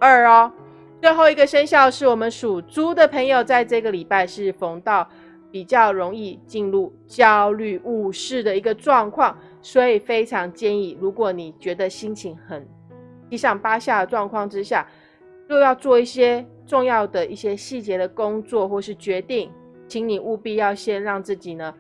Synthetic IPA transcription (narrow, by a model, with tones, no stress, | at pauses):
ə˥˩ɔ˦ | swe˥˧xo˥˩ʊi˧˥ɡə˨ʂə˥nɕjɑ˥˧ʊʂɻ̩˥˩wɔ˨˩mə˨˦nʂu˨˩t͡su˥d̪ə˨pʰə˧˥ŋjo˨˩ʊt͡sa˥˧ɪʈ͡ʂɤ˥˧ɡə˩˨li˨˩pa˥˧ɪʂɻ̩˥˩fo˧˥ŋt̪ɑ˥˩ʊ | pi˨˩t͡ɕjɑ˥˩ʊɻo˧˥ŋi˥˧t͡ɕi˥˧nlu˥˩ | t͡ɕjɑ˥ʊly˥˧u˥˧ʂɻ̩˥˩d̪ə˩i˧˥ɡə˧ʈ͡ʂwɑ˥˧ŋkʰwɑ˥˩ŋ | swɔ˧˥i˨˩fe˥ɪʈ͡ʂʰɑ˧˥ŋt͡ɕjɛ˥˧ni˥˩ɻu˧˥kwɔ˧˩˦ni˨˩t͡ɕɥɛ˧˥d̪ə˧ɕi˥ŋt͡ɕʰi˧˥ŋxə˨˩n | i˥˧ɕɑ˥˩ŋpa˥ɕja˥˩d̪ə˩ʈ͡ʂwɑ˥˧ŋkʰwɑ˥˩ŋʈ͡ʂɻ̩˥˦ɕja˥˩ | jo˥˧ʊjɑ˥˧ʊt͡swɔ˥˧i˥˩ɕjɛ˥ | ʈ͡ʂʊ˥˧ŋjɑ˥˩ʊd̪ə˩i˥˩ɕjɛ˥ɕi˥˩t͡ɕjɛ˧˥d̪ə˨kʊ˥ŋt͡swɔ˥˧xwɔ˥˧ʂɻ̩˥˩t͡ɕɥɛ˧˥t̪i˥˩ŋ | t͡ɕʰi˧˥ŋni˨˩ʔu˥˧pi˥˧jɑ˥˩ʊɕjɛ˥nɻɑ˥˧ŋt͡sɹ̩˥˩t͡ɕi˨˩nə˦